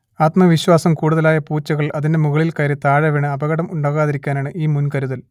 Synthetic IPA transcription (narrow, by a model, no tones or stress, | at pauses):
aːt̪mɐʋiɕwaːsɐmkuːɽuðɐlaːjɐpuːt͡ɕːɐɣɐɭɐðinde̞muɣɐɭilkɐɾet̪aːɻɐʋiɳɨɐbɐɣɐɽɐmuɳɖaːɣaːðiɾikʲːaːnaːɳɨʔiːmunkɐɾuðɐl